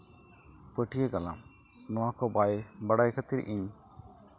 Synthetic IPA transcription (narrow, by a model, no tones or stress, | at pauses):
pəʈʰijekala̰m | nɔwakɔbajbaɽajkʰət̪iɾ̰ʔiɲ